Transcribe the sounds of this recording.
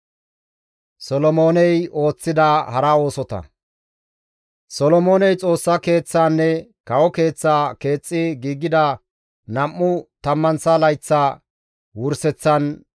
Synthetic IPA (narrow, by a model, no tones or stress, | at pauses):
sɔlɔmo̞ːnɛjo̞ːt͡sːɪd̪ɐhɐɾɐo̞ːsɔt̪ɐ̰ | sɔlɔmo̞ːnɛjt͡sʼo̞ːsːɐke̞ːt͡sːaːnːɛkɐwɔke̞ːt͡sːaːke̞ːt͡sʼːɪɡiːɡːɪd̪ɐ | nɐmːʊt̪ɐmːɐnsɐlɐjt͡sːaː | wʊɾsɛt͡sːɐn